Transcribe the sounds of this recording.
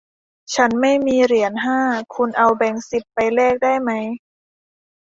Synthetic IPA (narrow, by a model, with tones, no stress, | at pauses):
t͡ɕʰa˦˥nma˥˩jmiː˧ɾi˩˦ənɦaː˥˩kʰu˧nʔa˧wbɛ˧ŋsi˨˩pːa˧jlɛː˥˩k̚daː˥˩jma˦˥j